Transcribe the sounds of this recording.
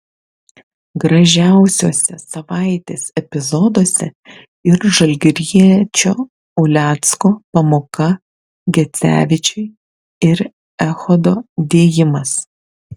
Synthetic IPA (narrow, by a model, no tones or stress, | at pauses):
ɡɾɐʒʲæˑʊsʲoːsʲɛsɐʋɑˑɪt̪ʲeːsɛpʲɪzɔd̪oːsʲɛ | ɪɾʒɐlʲɡʲɾʲiɛt͡ʃʲoː | ʊlʲæːt̪skoːpɐmoːkɐ | ɡʲɛt̪sʲæ̰ːʋʲɪt͡ʃʲɛɪ | ɪɾ | ɛxɔd̪oːd̪ʲeːjɪmɐs